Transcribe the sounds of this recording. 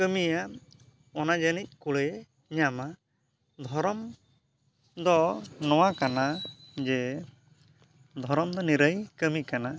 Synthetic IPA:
kəmija | ɔnad͡ʒənic̚ˀkuɭɛ | ɲama | d̪ʱɔɾɔm | d̪ɔnɔwakanad͡ʒɛ | d̪ʱɔɾɔmd̪ɔniɾəjkəmikana

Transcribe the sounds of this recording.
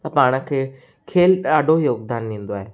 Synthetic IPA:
t̪ɐpaːɽ̃ə̆kʰeː | kʰeːlaːɖʱojoːɡd̪aːnːĩːn̆d̪oaːɦeː

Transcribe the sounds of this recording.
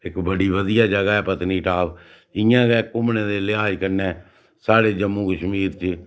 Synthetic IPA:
ɪkbəɖiːʋəd̪ɪjaːd͡ʒəɡaːɛːpət̪niːʈʰaːb | ɪjãːɡɛːkʊmneːd̪eːlɪaːd͡ʒkəɾnẽː | saːɽeːd͡ʒəmːũːkəʃmiːɾt͡ʃ

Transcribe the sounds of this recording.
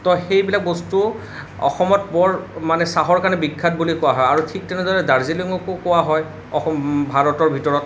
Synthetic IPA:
tɔxejbilak̚bɔstu | ɔ̰xɔmɔt̚bɔɹmanɛsaɦɔɹkanɛbikʰːat̚bulikowaɦɔjaɹutʰik̚tɛnɛdaɹɛdaɹziliɔŋɔkokowaɦɔj | ɔxɔmbʱaɹɔtɔɹbʱitɔɹɔt

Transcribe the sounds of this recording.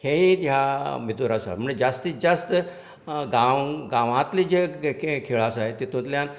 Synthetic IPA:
kʰeĩt̪jamit̪oɾasa̰ɦm̤əɳd͡zed͡zast̪iːd͡zəst̪ | ɡãwɡãʋãt̪lid͡ʑekʰeɭasaɦet̪it̪ũt̪ljãn

